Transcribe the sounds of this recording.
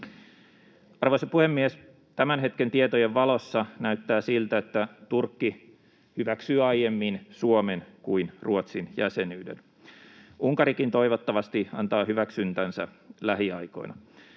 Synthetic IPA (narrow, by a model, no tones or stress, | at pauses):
ɑrʋojsɑpuhemːies | t̪æmænɦe̞t̪kent̪iet̪ojeʋʋɑlo̞sːɑnæyt̪ːæːsilt̪æet̪ːæt̪urkːi | hyʋæksyːɑjjemːinsuomenkuinruot̪sinjæsenyːdḛn | ʔuŋkɑɾikint̪o̞iʋot̪ːɑʋɑst̪iɑ̰nt̪ɑːhyʋæksynt̪ænsæ̰ | læɦiɑiko̞̰inɑ